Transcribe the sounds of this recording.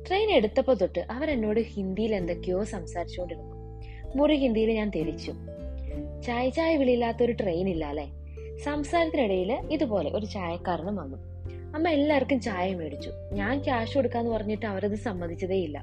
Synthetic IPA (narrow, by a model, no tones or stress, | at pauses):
ʈrejne̞ɽut̪ːɐpːot̪uʈːɨʔɐʋɐɾenːo̞ːɽɨhind̪ijile̞nd̪okːijo̞ːsɐmsaːɾit͡ɕːuɣo̞ɳɖiɽukːum | muriɦind̪ijilɲaːnt̪eɾit͡ɕːum | t͡ɕajt͡ɕaːjɐʋiɭijilːaːt̪ːɐoɾuʈrejnilːaːleː | sɐmsaːɾɐt̪ːiniɽɐjiliðupo̞ːle̞̰ʔo̞ɾut͡ɕaːjɐkːaːɾɳɐmʋɐnːu | ɐmːɐelːaːʋɐrkːumt͡ɕaːjɐmeɽut͡ɕːu | ɲaːnkjaːʂueɽukːaːnːɨpɐrɐɲːiʈːɨɐʋɐɾɐðɨsɐmːɐd̪ʱit͡ɕːɐðeːilːɐ̰